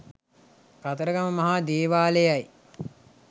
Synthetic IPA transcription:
kat̪əɾəɡaməmɐɦaːd̪eːʋaːləjaj

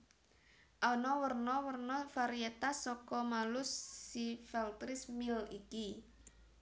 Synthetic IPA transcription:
ʔanɔwərnɔwərnɔfaɾiet̪asːɔkɔmalʊsːifɛlt̪ɾɪsmɪliki

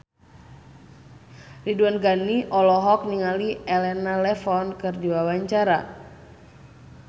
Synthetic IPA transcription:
riduanɡaniʔɔlɔɦɔk̚niŋaliɛlɛnalɛfɔnkɨrdiwawaɲt͡ʃaɾa

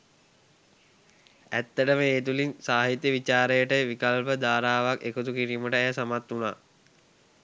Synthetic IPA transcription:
æt̪ːəʈəməeːt̪ulinsaːɦit̪jəʋit͡ʃaːɾəjəʈəʋikalpəd̪aːɾaːʋakekut̪ukiɾiːməʈəɛjəsamat̪ːuna̰ː

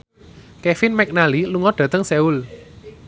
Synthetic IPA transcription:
kɛfinmɛk̚naliluŋɔɖ̥ä̤t̪əŋsɛul

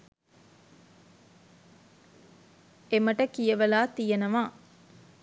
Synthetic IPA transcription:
eməʈəkijɐʋɐlaːt̪ijɐnɐʋaː

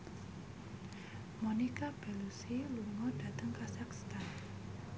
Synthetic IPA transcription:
mɔnikab̥ɛlusiluŋɔd̥a̤t̪əŋkasakst̪an

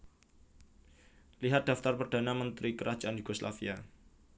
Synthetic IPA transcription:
liɦat̪̚d̪̥a̤ft̪arpərd̥anamənt̪ɾikəɾḁd͡ʒ̥aʔanjuɡosla̰fia

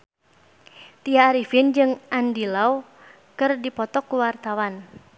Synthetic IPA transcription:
t̪iaːɾifind͡ʒɨŋandilau | kɨrdipɔt̪ɔkːuwart̪awan

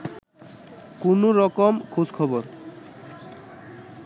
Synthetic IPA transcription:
kunoɾɔkomkʰud͡ʑkʰɔboɾ

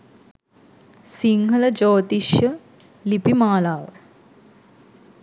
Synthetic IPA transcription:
siŋɡʱɐlɐd͡ʒoːt̪iʃjɐ | lipimaːlaːʋə̰

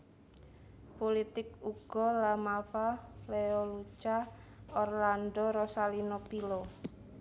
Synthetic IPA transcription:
polit̪ɪk̚uɡ̥ɔlamalfaleɔlut͡ʃaɔrlandɔɾɔsalinopilɔ

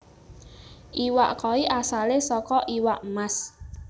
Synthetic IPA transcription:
iwa̰ʔkɔiʔasalesɔkɔʔiwaʔmas

